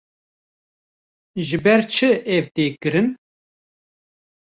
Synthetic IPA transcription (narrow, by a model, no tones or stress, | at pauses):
ʒɨbɛɾt͡ʃʰɨɛvt̪eːkɨɾɨn